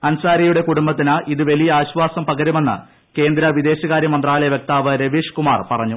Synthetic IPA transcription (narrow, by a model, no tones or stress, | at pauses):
ɐnsaːɾɐjuɽe̞kuɽumbɐt̪ːinaʔiðɨʋɐlijɐaːɕʋaːsɐmpɐɣɐɾume̞nːɨ̰ | ke̞ːnd̪ɾɐʋid̪e̞ːɕɐɣaːɾjɐmɐnd̪raːɭɐjɐʋjek̚t̪aːʋɐɾeʋiːʂkuma̰ːrpɐrɐɲːu